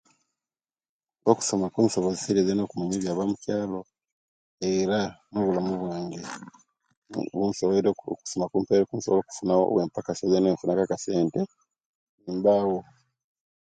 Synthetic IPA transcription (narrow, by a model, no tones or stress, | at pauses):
oku̥so̞makuːnso̞βozisiɾezeno̞ːkumiɲeβjaːβamucaːlo | eɾano̞βulamuβwaːŋɡe | βunsoku̥somakuːmpeɾekunsoβoloːku̥funao̰weːmpakasozeneːɱfunakakase̞ːnte | niːmbawo